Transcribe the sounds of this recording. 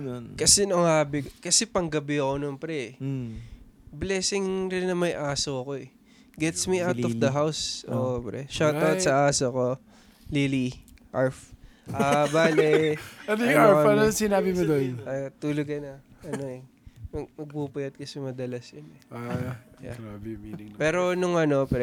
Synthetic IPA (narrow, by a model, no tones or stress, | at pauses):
nonkɐsɛnoŋhaːbɪkokɐsɛpɐŋɡɐbɪɐkononpɾɛ | blɛːsɪŋɾɪnːɐmɐjʔaːsoɐko̞ʔɛ | ɡɛt̪smiʔawt̪ɔfd̪ɐɦawsʔo̰pɾɛʃawt̪awt̪sɐʔaːsoɐko̞ | liliʔaɹfʔabaːlɛɐnojʊaalɐsɪnaːbɪmʊd̪onɐt̪uːloɡ̚ɐnɐɐno̞ɛ | mɐmɐɡ̚pupɐjɐt̪̚kɐsɛmɐd̪ɐlɐsjɐnɛ | ja̰ | pɛːɾo̞nʊŋʔɐno̞pɾɛ